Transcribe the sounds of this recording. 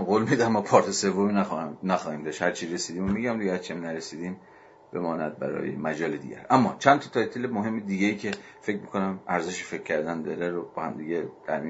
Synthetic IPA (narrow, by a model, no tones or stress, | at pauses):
ɡoːlmid̪æmːɒːpʰɒːɾt̪ʰese̞vːominæxnæxɒːhiːmd̪ɒʃhæɾt͡ʃʰiɾe̞siːd̪iːmomiɟæmd̪iɡæt͡ʃʰiæmnæɾesiːd̪iːm | b̥e̞̰mɒːnæd̪̚bæ̰ɾɒ̰ːjḛmæd͡ʒɒːled̪ḭːɟæ̰ɾʔæmːɒ̰ːt͡ʃʰænt̪ʰɒt̪ʰɒːjt̪ʰilemoɦe̞mːed̪iːɡeiːcʰe̞ | fe̞cʰmikʰonæmæɾzeʃifecʲʰːæɾd̪ænd̪ɒɾæɾobɒːhæmd̪iːɟed̪̥ʰæɾmi